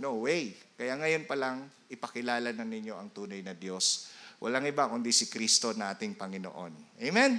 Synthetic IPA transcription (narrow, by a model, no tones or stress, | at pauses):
nowwɛjkɐjaŋɐjo̞npɐlaŋ | ʔɪpɐkɪlaːlɐnɐnɪɲjo̞ʔɐŋt̪uːnɐjnɐd̪jo̞swʔɐ̰laŋɪbakʊnd̪isɪkɾist̪o̞naːt̪ɪŋpɐŋɪno̰ʔo̞nʔejmɛn